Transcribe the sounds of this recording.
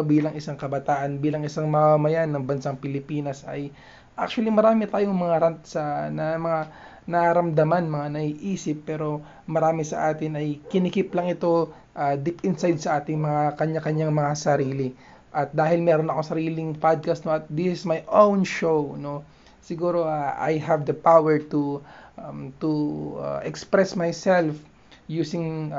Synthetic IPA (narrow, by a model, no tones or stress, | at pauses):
biːlɐŋʔɪsaŋkɐbɐt̪aːʔɐnbiːlɐŋɪsaŋmɐmamɐjanːɐŋbɐnsaŋpɪlɪpiːnɐsɐ̰j | ʔa̰k̚t͡ʃʊwɐlimɐɾaːmɪt̪aːjoŋmɐŋaɾant̪sɐnɐmɐŋa | nɐʔɐɾɐmd̪ɐmanmɐŋanɐʔiʔiːsɪpːɛːɾo̞ | mɐɾaːmɪsɐʔaːt̪ɪnɐjkɪnɪkɪplɐŋɪt̪o̞ | ʔad̪ɪpɪnsajd̪̚sɐʔaːt̪ɪŋmɐŋakɐɲakɐɲaŋmɐŋasɐɾiːlɪ | ʔɐt̪̚d̪aːɦɪlmɛːɾonɐko̞sɐɾiːlɪŋpad̪̚kɐst̪noɐt̪̚d̪ɪsɪsmajʔownʃowno̞ | sɪɡuːɾo̞ʔaʔa̰jɦɐvd̪ɐpawɛɹt̪u | mt̪ṵʔɛkspɾɛsmajsɛlf | juːsɪŋ